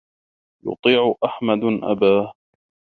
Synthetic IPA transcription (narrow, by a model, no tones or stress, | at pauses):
jʊ̰t̪ˤiːʕʊʔaħmad̪ʔa̰baːh